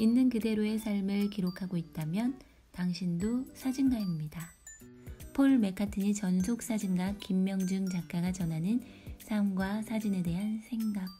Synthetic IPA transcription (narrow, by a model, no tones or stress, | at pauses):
inːɯnkɯde̞ɾoe̞sʰaɭmɯɭkiɾokʰaɡoit̚t͈amjʌn | taŋɕʰindosʰad͡ʑinɡaimɲida | pʰoɭme̞kʰatʰɯɲit͡ɕʌnsʰok̚s͈ad͡ʑinɡak͈imːjʌŋd͡ʑɯŋt͡ɕak̚k͈aɡat͡ɕʌnɦanɯn | sʰamɡwasʰad͡ʑine̞de̞ɦansʰe̞ŋɡak̚